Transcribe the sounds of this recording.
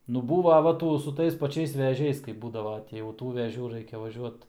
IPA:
nʊ ˈbuːʋɐ ˈʋɐ ˈtuː sʊ ˈtɐɪs pɐˈt͡ʃʲɛɪs ʋʲɛˈʒʲɛɪs kɐɪp ˈbuːdɐʋɐ tʲɪ jɛʊ ˈtuː ʋʲɛˈʒʲuː ˈrɐɪkʲɛ ʋɐˈʒʲuɔt

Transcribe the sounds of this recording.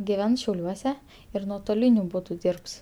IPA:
ɡʲɪˈʋʲɛns ʃʲɛʊˈlʲuɔsʲɛ ɪr nuɔtoːˈlʲɪnʲʊ ˈbuːdʊ ˈdʲiːɪrps

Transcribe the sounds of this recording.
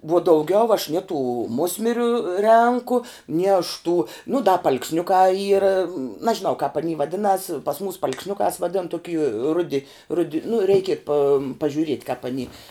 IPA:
ʋuɔ dɐʊˈɡʲɛʊ ɐʃ nʲiɛ tuː ˈmʊsʲmʲɪrʲʊ ˈrʲɛŋkʊ nʲɪ ɐʃ tuː nʊ dɐ pɐɐlˠksʲˈnʲʊkɑː ˈiːrɐ nɐʒʲɪˈnɐʊ kɑːp ɐˈnʲiː ʋɐˈdʲɪnɐs pɐs mʊs pɐɐlˠksʲˈnʲʊkɑːs ʋɐˈdʲɪn toːˈkʲiː ˈrʊdʲɪ ˈrʊdʲɪ nʊ ˈrʲɛɪkʲɪ pɐm pɐʒʲʊˈrʲiɛtʲ kɑːp ɐˈnʲiː

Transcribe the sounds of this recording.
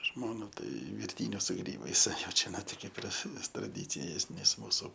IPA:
ˈʒmoːnɐ ˈtɐɪ ʋʲɪrʲˈtʲiːnʲʊs sʊ ˈɡrʲiːbɐɪs ˈjɛʊ ˈt͡ʃʲɛ ˈnoː tʲɪ ˈkʲeːp ɪr s trɐˈdʲiːt͡sʲɪjeːs ˈnʲɛs ˈmuːsʊ

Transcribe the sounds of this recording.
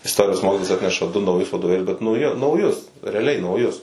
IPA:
ɪsˈtoːrʲɪjoːs ˈmoːkʲɪtoːjɛs ˈɑːtʲnʲɛʃɐ dʊ nɐʊˈjʊs ʋɐdoːˈʋʲeːlʲʊs bʲɛt nɐʊˈjɪ nɐʊˈjʊs rʲɛɐˈlʲɛɪ nɐʊˈjʊs

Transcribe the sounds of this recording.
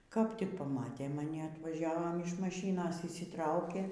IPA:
kɐp tʲɪk pɐˈmɑːtʲeː mɐˈnʲɪ ɐtʋɐˈʒʲæːʋoːm ɪʃ mɐˈʃʲiːnoːs ɪʃʲsʲɪˈtrɐʊkʲeː

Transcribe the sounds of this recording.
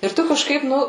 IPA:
ɪr ˈtʊ kɐʃˈkɐɪp ˈnʊ

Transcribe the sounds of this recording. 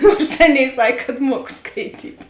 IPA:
ˈnuɔrs ˈɑːˌnʲeːɪ ˈsɐkʲ kɐt ˈmuɔk skɐɪˈtʲiːtʲ

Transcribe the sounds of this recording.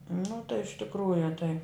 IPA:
nʊ tɐɪ ɪʃ tʲɪkˈruːjʊ tɐɪ

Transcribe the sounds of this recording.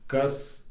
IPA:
ˈkɐs

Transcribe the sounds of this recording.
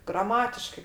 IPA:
ɡrɐˈmɑːtʲɪʃkɐɪ

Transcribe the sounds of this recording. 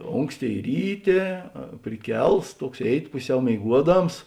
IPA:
ˈoːŋksʲˌtʲeːɪ ˈrʲiːˌtʲeː pʲrʲɪˈkʲɛlˠs ˈtuɔks ˈeːɪˌtʲɪ ˈpʊˌsʲɛʊ mʲeːɪˈɡuɔˌdɐms

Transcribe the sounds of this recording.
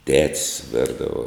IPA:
tʲɛtʲsʲ ˈʋʲɛrdɐʋoː

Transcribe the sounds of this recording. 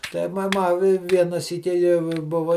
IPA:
ˈtɐɪ mɐ ˈmɐ ɪ ˈʋʲiɛnɐ ˈsʲiːkʲɪ jɛʊ ɪ ˈbʊʋɐ

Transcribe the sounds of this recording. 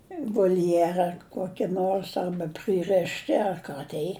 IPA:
ɪ ʋoːlʲˈjæːrɐ ˈkoːkʲɪ ˈnoːrs ˈɐrbɐ ˈprɨrʲɛʃʲtʲɪ ɐr ˈkɑː tʲɛɪ

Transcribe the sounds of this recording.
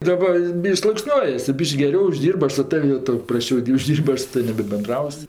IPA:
dɐˈbɐ ˈbʲɪʃʲkʲ slˠuɔkˈsʲnʲuɔjɛs tʊ ˈbʲiːʃʲkʲ ɡʲɛˈrʲɛʊ ʊʒʲˈdʲiːrbɜ ˈɐʃ sʊ ˈtɐw jɛʊ ˈtɐʊ prɐsʲˈt͡ʃʲɛʊ dʲɪ ʊʒʲˈdʲiːrʲpʲ ˈɐʃ sʊ ˈtɑːʋʲɪm nʲɛbʲɛbʲɛnˈdrɐʊsʲ

